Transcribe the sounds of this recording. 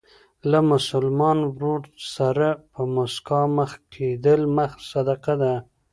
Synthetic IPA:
lamʊsʊlmɑnwɾoɽsaɾapəmoskɑməxkʰed̪əlməxsad̪aqad̪a

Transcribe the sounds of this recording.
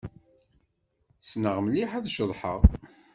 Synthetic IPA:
snəʁmliħæðʃəðˤħə̰ʁ

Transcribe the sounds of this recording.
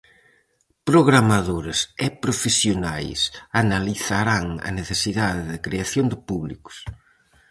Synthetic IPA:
pɾoɣɾamaðoɾɪsɪpɾofesjonajsanaliθaɾaŋɐ̰neθesiðaðɪðɪkɾeaθjond̪ɪpuβlḭkʊ̥s

